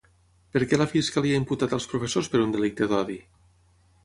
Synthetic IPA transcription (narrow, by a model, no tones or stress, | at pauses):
pəɾkɛləfiskəliaimput̪at̪əlˠspɾufesospəɾund̪əlik̚t̪əðɔði